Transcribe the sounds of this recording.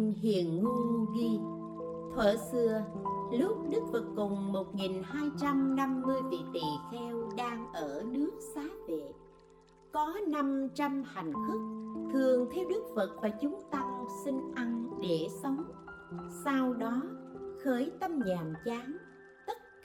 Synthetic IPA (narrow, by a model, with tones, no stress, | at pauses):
ŋɦḭ˧˨ənːu˧nɣi˧ | t̪ʰwə̰ː˧˩sɨ˧əlʊ˦˥p̚ɗɨ˦˥k̚fə˨˩t̚kʊ˨˩ŋ͡mmo˨˩t̚ŋi˨˩nhaː˧jt͡ɕa˧mna˧mːɨ˧əjvḭ˧˨t̪ḭ˨˩xɛ˧wɗaː˧ŋʔəː˧˩ɗɨ˦˥ək̚saː˨˦vḛ˧˨ | kɔ˨˦na˧mt͡ɕa˧mha˨˩jŋ̟fʊ˦˥k̚t̪ʰɨ˨˩əŋt̪ʰɛ˧wɗɨ˦˥k̚fə˨˩t̚vaː˨˩t͡ɕʊ˨˦ŋ͡mt̪a˧msï˧ŋ̟ʔa˧ŋɗe˧˩sə˨˦wŋ͡msa˧wɗɔ˨˦xəː˨˦jt̪ə˧mɲaː˨˩mt͡ɕaː˨˦ŋ | t̪ə˦˥t̚